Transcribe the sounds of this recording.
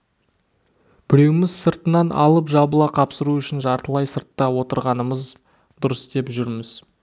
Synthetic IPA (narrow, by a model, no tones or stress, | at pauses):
b̥ɪɾe̞wɪmɪzsəɾt̪ənɑnʔɑ̰lˠəpʒɑbəlˠɑqʰɑpsəɾuʏʃɪnʒɑɾt̪əlˠɑjsəɾt̪ːɑwo̞t̪əɾʁɑnəməz | d̪ʊɾəsd̪e̞pʒʏɾmɪz